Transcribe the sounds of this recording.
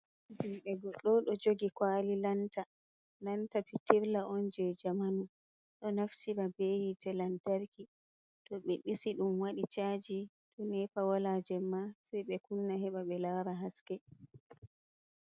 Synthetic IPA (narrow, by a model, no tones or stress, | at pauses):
d͡ʒiɓɛɡɔɗːɔɗɔd͡ʒoɡikwaːlilanta | lantapitiɾlaʔɔnd͡ʒɛd͡ʒamanu | ɗɔnaftiɾabejitɛlantaɾki | tɔɓɛɗisiɗumwaɗit͡ʃad͡ʒi | ɗɔnɛpawalaːd͡ʒɛmːasɛjɓɛkunːahɛɓaɓɛlaːɾaɦaskɛ